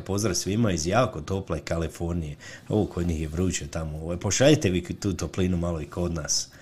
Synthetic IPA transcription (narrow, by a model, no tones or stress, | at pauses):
po̞zɾasʋimaizjaːko̞t̪o̞plˠaikalifo̞ɾnijeoʋokʰod̪ɲiːxjeʋɾuːt͡ɕet̪amooʋajpo̞ʃaʎit̪e̞ʋit̪uːt̪oplinumalo̞ikʰo̞d̪naːs